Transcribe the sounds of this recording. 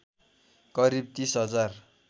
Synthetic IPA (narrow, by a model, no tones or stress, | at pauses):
kʌɾib̚t̪ĩsɦʌd͡zar